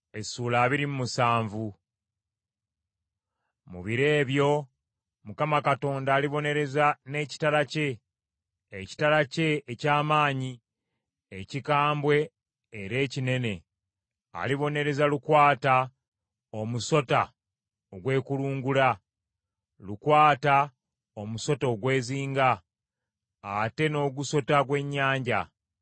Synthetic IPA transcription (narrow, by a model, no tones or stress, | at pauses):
e̞suːlaːβiɾimumusaːɱvu | mṵβiɾe̞ːβjo̞ | mukamakato̞ːndaːliβo̞ne̞ɾe̞zane̞ːci̥taɾace̞ː | ci̥taɾace̞ːcaːmaːɲi | ecikaːmbwe̞ː | ɾe̞ːcine̞ne̞ | a̰liβo̞ne̞ɾe̞zalukwaːta | o̞muso̞ta | oɡwe̞ːkuluːŋɡula | lukwaːta | omuso̞to̞ːɡwe̞ːziːŋɡa | te̞no̞ːɡuso̞taɡwe̞ɲːaːɲɟa̰